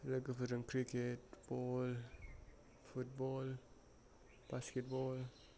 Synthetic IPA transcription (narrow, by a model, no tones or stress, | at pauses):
ləɡəfəɾəŋkɾiketb̥ol | fut̚bol | b̥askɛt̚bol